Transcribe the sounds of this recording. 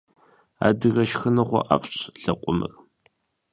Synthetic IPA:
a̰ːdɨɣɐʃxɨnɐχʷɔ̰ʔafʼɕʼɬɐqʷʼʊmɨ̰r

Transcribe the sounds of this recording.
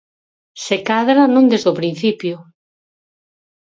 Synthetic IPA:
sekaðɾanõnd̪ezðopɾin̟θipjʊ

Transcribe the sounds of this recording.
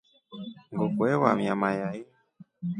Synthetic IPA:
ŋɡokwɛwamjamajai

